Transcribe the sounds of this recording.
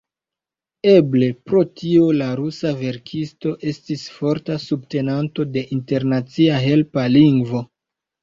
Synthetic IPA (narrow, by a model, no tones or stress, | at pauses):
e̞ble̞pɾo̞tio̞laɾusave̞ɾkʰisto̞ʔe̞stisfo̞ɾtasub̚te̞nanto̞de̞ʔinte̞ɾnat͡siaɦe̞lpaliŋɡvo̞